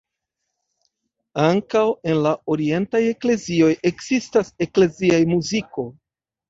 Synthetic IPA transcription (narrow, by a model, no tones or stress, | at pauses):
aŋkawe̞nlao̞ɾie̞ntaje̞kle̞zio̞jʔe̞kz̥istase̞kle̞ziajmuziko̞